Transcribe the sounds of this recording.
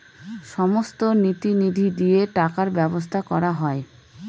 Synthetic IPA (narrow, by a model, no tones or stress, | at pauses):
ʃɔmost̪onit̪inid̪ʱid̪ieʈakaɾbɛbost̪ʰakɔɾaɦɔe